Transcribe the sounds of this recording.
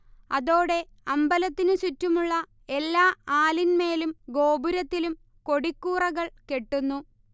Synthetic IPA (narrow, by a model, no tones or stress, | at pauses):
ɐðo̞ːɽe̞ | ɐmbɐlɐt̪ːinɨsutːumuɭːɐ | e̞lːaːaːlinme̞ːlumɡo̞ːbuɾɐt̪ːilum | ko̞ɽikːuːrɐɣɐɭke̞ʈːunːu